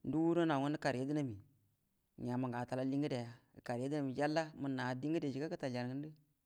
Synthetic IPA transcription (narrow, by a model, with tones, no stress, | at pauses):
n̩˦du˦wu˦ɾo˦na˨ŋu˦n˦ə˦ka˨ɾe˦di˦na˦mi˨ | ɲa˨ma˨ɡa˨ta˨la˦li˦ŋɡi˦de˨ja˦˨ka˨ɾje˦di˦na˦˨mi˨d͡ʒa˦lːa˦mu˨na˨di˦ŋ˦ɡi˦de˨d͡ʒi˨ka˦kɨ˦ta˨d͡ʒa˨ɾŋɨ˦n˦dɨ˦